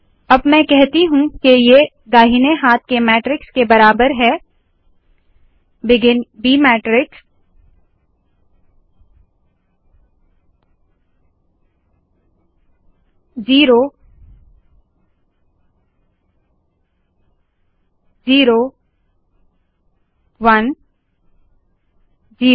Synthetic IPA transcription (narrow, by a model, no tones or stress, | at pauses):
ɐbmɛ̃kɛɦt̪iɦũkeje | d̪aːɦɪneɦaːt̪̚ʰkemɛːʈɾɪkskebɐɾaːbəɾɦɛː | bɪɡɪnbiːmɛːʈɾɪks | ziːɾo | ziːɾo | ʋɐn | ziː